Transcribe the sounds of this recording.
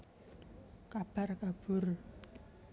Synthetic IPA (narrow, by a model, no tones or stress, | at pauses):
kab̥arkab̥ur